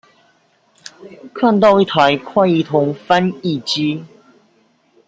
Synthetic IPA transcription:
kʰa˥˧nt̪ɑ˥˧ʊi˥˩t̪ʰa˨˦ɪkʰwa˥˧ɪi˥˩t̪ʰʊ˨˥ŋfa˦ni˥˨˩t͡ɕi˦

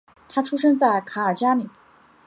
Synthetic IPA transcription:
t̪ʰa˥ʈ͡ʂʰu˥ʂɤ˥ŋt͡sa˥˩ɪkʰa˧˥ə˞˨˩t͡ɕja˥li˨˩˦

